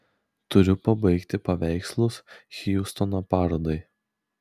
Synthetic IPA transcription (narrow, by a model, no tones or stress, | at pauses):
t̪ʊɾʲʊpɐbɐɪkt̪ʲɪpɐʋʲæɪkslˠʊsxʲijust̪ɔnopɑːɾoːd̪ɐɪ